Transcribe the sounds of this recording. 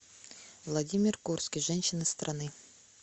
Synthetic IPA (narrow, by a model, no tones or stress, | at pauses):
vlˠadʲimʲɪrkurt̪skʲiʒɛnʲɕɪnəst̪rʔanɨ